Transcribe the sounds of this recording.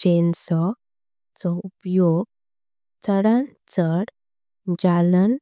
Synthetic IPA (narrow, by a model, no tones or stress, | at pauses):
d͡ʑensɔ | t͡sɔupjoɡ̚ | t͡səɽãnt͡səɽ | d͡ʑalən